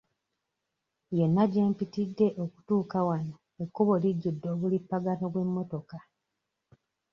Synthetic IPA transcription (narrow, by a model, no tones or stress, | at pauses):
je̞nːaɟeːmpitidːe̞ʔoku̥tuːkawana | ekːoβo̞liɟːudːo̞ːβulipːaɡanoβwe̞mːo̞to̞ka